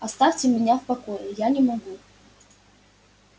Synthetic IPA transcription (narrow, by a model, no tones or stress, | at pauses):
ast̪afʲtʲɪmʲɪnʲafpakojejanʲɪmaɡu